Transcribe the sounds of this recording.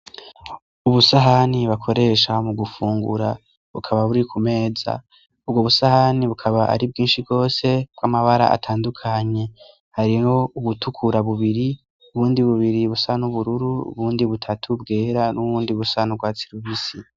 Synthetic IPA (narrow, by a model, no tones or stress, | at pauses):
uβusaɦaniβakʰo̞ɾe̞ːʃamuɡufuːŋɡṵɾa | βukʰaβaβuɾikʰume̞ːza̰ | ubɡoβusahaniβukʰaβaʔa̰ɾib̚ɡiːnʃibɡo̞ːse̞b̥ɡwamaβaɾa̰ʔa̰tʰaːndukʰaɲe̞ | haɾihouβutʰukʰuɾaβuβiɾi | uβuːndiβuβiɾiβusanuβuɾuɾuṵβuːndiβutʰatʰubɡe̞ːɾanʔuβuːndiβusanuɡwaːt͡si̥ɾuβisi